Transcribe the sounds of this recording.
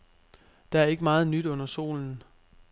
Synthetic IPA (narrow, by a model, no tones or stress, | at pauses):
d̥ææɐe̝ɡ̥əmɑ̈ːð̞̩ˠnyd̥ɔ̽n̰ɐso̝̰ːln̩